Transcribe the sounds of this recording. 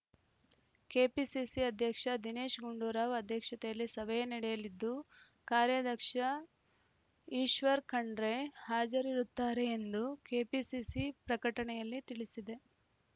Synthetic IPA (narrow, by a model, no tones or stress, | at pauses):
keːpisisiɐd̪ʱjɐkʂɐd̪ine̞ːʃɡuɳɖuːɾaːʋɐd̪ʱjɐkʂɐt̪ɛjɐlːisɐʋɐjɐnɐɽɛjɐlid̪ːukaːɾjɐd̪ʱɐkʂɐ | iːʃʋɐɾkɐɳɖɾe̞haːd͡ʒɐɾiɾut̪ːaːɾe̞ːnd̪ukeːpisisipɾɐkɐʈɐɳɛjɐlːit̪iɭisid̪e̞